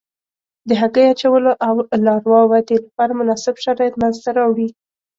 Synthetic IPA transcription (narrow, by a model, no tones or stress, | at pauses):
d̪əɦaɡəjat͡ʃawəloʔawlɑɾwɑwad̪elapɑɾamʊnɑsɪbʃaɾɑjɪt̪manzt̪aɾɑwɽi